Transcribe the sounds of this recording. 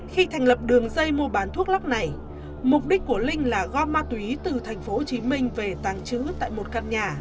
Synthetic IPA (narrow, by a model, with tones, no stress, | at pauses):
xi˧t̪ʰa˨˩jŋ̟lə˨˩p̚ɗɨ˨˩əŋzə˧jmu˧əɓaː˨˦nt̪ʰu˦˥ək̚la˦˥k̚na˨˩j | mʊ˨˩p̚ɗi˦˥k̟̚ku˧˩əlï˧ŋ̟laː˨˩ɣɔ˧maː˧t̪wi˨˦t̪ɨ˨˩t̪ʰɛ˨˩jŋ̟fo˨˦o˨˩t͡ɕi˨˦mï˧ŋ̟ve˨˩t̪aː˨˩ŋt͡ɕɨ̰˧˥t̪a̰ː˧˨jmo˨˩t̚ka˧˨nɲaː˨˩